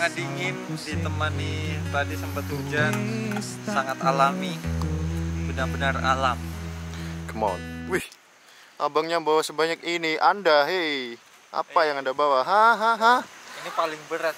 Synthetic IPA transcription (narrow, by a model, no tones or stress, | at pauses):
ŋandiŋɪndit̪əmanːit̪adisampat̪ud͡ʒan | saŋat̪alami | bənarbənara̰lam | kəma̰nwih | ʔabaŋɲabawasəbaɲakiniʔandaɦe | ʔa̰pajaŋandabawaɦaɦaɦainipalɪŋbəɾat̪̚